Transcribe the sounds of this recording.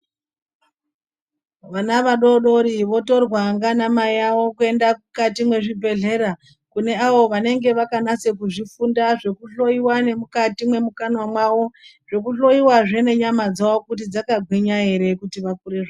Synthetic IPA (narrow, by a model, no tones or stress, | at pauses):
ʋanaʋaɗo̞ɗo̞ɾiʋo̞to̞rwaŋɡanamaiawo̞kue̞ndakukatimwe̞ʐibʱe̞ɮe̞ɾa | kune̞aʋo̞ʋane̞ŋɡe̞ʋakanase̞kuʐifundaʐe̞kuɬo̞iwane̞mukatimwe̞mukanwamwawo̞ | ʐ̥e̞kuɬo̞iwaʐe̞ne̞ɲamad͡zawokut̬id͡zakaɡʱweɲae̞ɾe̞kutiʋakuɾe̞ʐa